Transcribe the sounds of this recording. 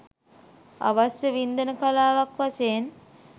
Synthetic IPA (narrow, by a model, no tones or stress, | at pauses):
a̰ʋasjəʋind̪ənəkalaːʋakʋaseːn